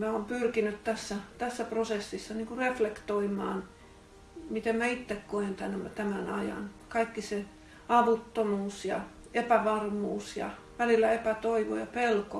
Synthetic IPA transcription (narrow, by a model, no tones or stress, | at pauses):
mæoːmpyrkinyt̪t̪æsːæt̪æsːæprosesːisːɑniːŋkureflekt̪oimˑɑ̰ːn | mit̪emmæit̪ːekkoent̪ænt̪æmænɑ̰jɑ̰nkɑikːise | ɑʋut̪ːomuːsjɑ̰ | epæʋɑrmuːsjɑ̰ | ʋælilːæepæt̪oiʋo̰jɑpelko